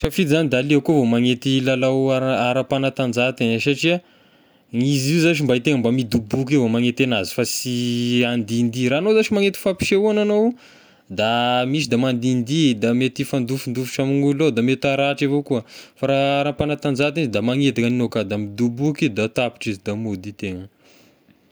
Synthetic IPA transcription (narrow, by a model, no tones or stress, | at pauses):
fafit̪izanid̪aliakuavomaŋet̪ilalawaaɾapanat̪and͡zat̪insaʈ͡ʂia | ŋizizat͡ʃimbait̪eŋəmbamid̪ubuk̬ivomaŋet̪enazi̥fasiand̪ind̪iɾanozaʈ͡ʂimaŋet̪i̥fapi̥ʃeuananow | d̪amiʃid̪amand̪ind̪id̪amet̪ifand̪ufund̪ufu̥ʈ͡ʂamiŋulnod̪amet̪aɾaʈ͡ʂevokuəfaɾaaɾapanat̪and͡zat̪inizid̪amaŋet̪akəninokad̪amid̪ubukid̪at̪api̥ʈ͡ʂizid̪amud̪it̪eŋə